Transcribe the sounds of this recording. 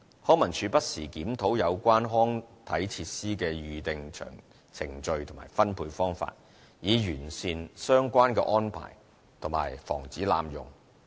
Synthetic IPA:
hɔː˥ŋmɐ˨˩nt͡ʃʰyː˨˧pɐ˥t̚siː˨˩kiː˨˥mt̪ʰo˨˥wjɐ˨˧wkʷaː˥nɦɔː˥ŋt̪ʰɐ˨˥jt͡sʰiː˧t̚siː˥kɛː˧jyː˨t̪ɪ˨ŋt͡ʃʰœ̰ː˨˩ŋ | t͡sʰɪ˨˩ŋt͡ʃɵ˧ɥt̪ʰʊ˨˩maː˨˩jfɐ˥npʰuː˧jfɔː˥ŋfa̰ː˧t̚ | jiː˨˧jyː˨˩nsiː˧nsœː˥ŋkʷaː˥nkɛ̰˧ʔɔː˥npʰa̰ː˨˩j | t̪ʰʊ˨˩ma̰ː˨˩jfɔ̰ː˨˩ŋt͡siː˨˥la̰ː˧mjʊ̰˨˩ŋ

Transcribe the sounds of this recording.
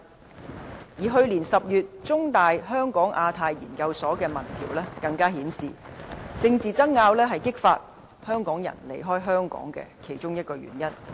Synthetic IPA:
jiː˨˩ɦɵ˧ɥliː˨˩nsɐ˨p̚jyː˨t̚t͡ʃʊ˥ŋt̪aː˨jɦœː˥ŋkɔː˨˥ŋʔaː˧t̪ʰaː˧jːḭː˨˩nkɐ˧wsɔː˨˥kɛː˧mɐ˨˩nt̪ʰiː˨˩wlɛː˥kɐ˧ŋkaː˥ɦiː˨˥nsḭː˨t͡sɪ˧ŋt͡siː˨t͡sɐ˥ŋːaː˧wlɛː˥ɦɐ˨jkɪ˥k̚faː˧t̚ | hœː˥ŋkɔː˨˥ŋjɐ̰˨˩nlḛ˨˩jɦɔː˥jɦœː˥ŋkɔ̰ː˨˥ŋkɛ̰ː˧kʰe˨˩jt͡ʃʊ˥ŋjɐ˥t̚kɔː˧ɥy̰ː˨˩njɐ˦˥n

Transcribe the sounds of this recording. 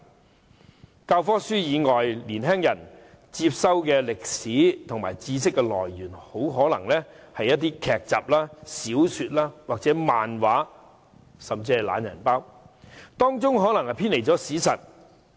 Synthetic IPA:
kaː˧wfɔː˥syː˥jiː˨˧ŋɔː˨˩jliː˨˩nɦɛː˥ŋjɐ˨˩n | t͡siː˧p̚sɐ˥wkɛː˧lɪ˨k̚siː˨˥t̪ʰʊ˨˩ŋmaː˨˩jt͡siː˧sɪ˥kːɛ˧lɔ̰ː˨˩jɥyː˨˩nho˨˥wɦɔː˨˥lɐ˨˩ŋlɛː˥hɐ˨jːɐ˥t̚t̪iː˥kʰɛː˨k̚t͡sa̰ː˨p̚laː˥siː˨˥wsyː˧t̚laː˥waː˨k̚t͡sɛː˨˥maː˨nwaː˨˥ | sɐ˨mt͡siː˧hɐ˨jla̰ː˨˥njɐ̰˨˩npaː˥wt̪ɔː˥ŋt͡sʊ˥ŋɦɔː˨˥lɐ˨˩ŋhɐ˨˩pʰiː˥nle˨˩jt͡sɔː˨˥siː˨˥sɐ˨t̚

